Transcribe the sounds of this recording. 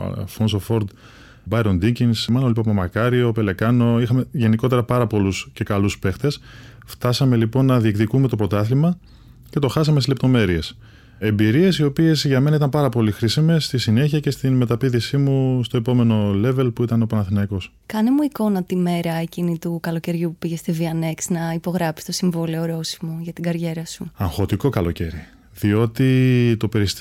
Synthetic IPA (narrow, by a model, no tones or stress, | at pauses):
fonsofo̞ɾd̪ | bɐjɾo̞nd̪iɲcinsmɐnolipɐpɐmɐkɐɾio̞pe̞le̞kɐno̞ixɐme̞ʝe̞niko̞t̪e̞ɾɐpɐɾɐpo̞lusce̞kɐluspe̞xt̪e̞s | ft̪ɐsɐme̞lipo̞nːɐðiekt̪ikume̞t̪o̞pɾo̞t̪ɐθlimɐ | ce̞t̪o̞xɐsɐmest̪izlep̚t̪o̞me̞ɾie̞s | e̞mbiɾie̞sio̞pie̞sʝɐme̞nɐit̪ɐmpɐɾɐpo̞lixɾisime̞sːt̪isine̞çiɐce̞st̪inme̞t̪ɐpiðisimust̪o̞e̞po̞me̞no̞le̞ve̞lpuit̪ɐnopɐnɐθinɐiko̞s | kɐnemuiko̞nɐt̪ime̞ɾɐecinit̪ukɐloce̞ɾʝupupiʝe̞st̪iviɐne̞ksnɐipo̞ɣɾɐpi̥st̪o̞siɱvoleoɾo̞simo̞ʝɐt̪iɡɐɾʝe̞ɾɐsuɐŋxo̞t̪iko̞kɐlo̞ce̞̰ɾi | ðio̞t̪it̪o̞pe̞ɾis